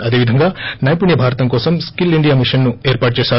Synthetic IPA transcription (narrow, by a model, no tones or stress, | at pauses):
ɐd̪eːʋid̪ʱɐŋɡaːnaːjpuɳjɐbʱaːɾɐt̪ɐmkɔːsɐmskiliɳɖijaːmiʂɐnːueːɾpaːʈ̚t͡ʃɛːsaː